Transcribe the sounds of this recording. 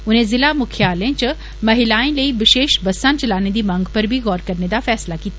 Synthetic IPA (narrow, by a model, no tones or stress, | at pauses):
ʊnɦẽzɪlamʊkʰjaːlẽt͡ʃɐ | mɐɦɪlaːẽlɐibɪʃeːʃbɐsãːnt͡ʃɐlaːned̪imɐ̃ŋɡpɐɾbʱiɣɔːɾkɐɾned̪afɛːslakiːt̪a